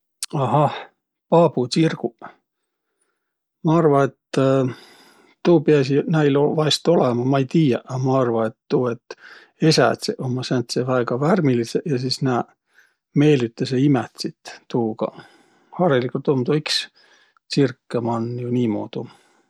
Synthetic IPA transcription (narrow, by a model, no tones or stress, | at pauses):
ɑɦɑh | pɑːbut͡sirɡ̥u | mɑɑrvɑet̪ː | uːpeɑs̬inæjlovɑjst̪o̞lemɑmɑejt̪iːjɑʔɑmɑɑrvɑet̪ːuːet̪ː | esæ̰t̪seʔomːɑsænt̪sevæeɡ̥ɑværmilisejɑs̬isnæː | me̞ːlit̪ːɑseimet̪sit̪ːuːɡ̥ɑ̰ | hɑːɾelikːult̪omt̪oiks | t͡sirkːemɑnːjuniːmo̰ːt̪u